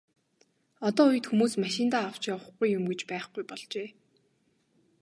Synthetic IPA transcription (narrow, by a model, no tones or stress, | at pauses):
ɔt̪ɔːuj̆t̪xumuːsmaʃɪ̆nt̪aːaw̥t͡ɕaw̆χɡujːʊmɡet͡ɕpæːχɡujpɔɮt͡ɕeː